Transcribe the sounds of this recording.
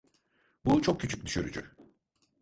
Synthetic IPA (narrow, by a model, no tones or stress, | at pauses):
but͡ʃʰo̞k̚cʰːyt͡ʃʰy̥c̚d̪yʃyɾy̰d͡ʒy